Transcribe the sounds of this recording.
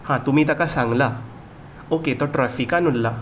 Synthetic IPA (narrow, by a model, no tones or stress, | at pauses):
hãt̪um̤iːt̪akasãŋɡla | oket̪ɔʈɾafikanullːa